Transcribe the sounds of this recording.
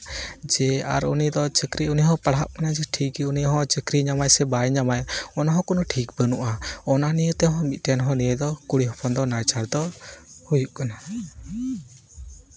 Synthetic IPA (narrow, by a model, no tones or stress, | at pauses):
d͡ʒɛa̰ɾṵnid̪ɔt͡ʃəkɾiuniɦɔ̃paɽɦaʔkanad͡ʒɛʈʰikiuniɦɔ̃t͡ʃəkɾiɲamajsɛbajɲamajɔnaɦɔ̃kɔnɔʈʰikbənuʔaɔnanijət̪ɛɦɔ̃mit̪̚ˀʈɛnɦɔ̃nijəd̪ɔkuɽiɦɔpʰɔnd̪ɔnajt͡ʃaɾd̪ɔhujuʔkana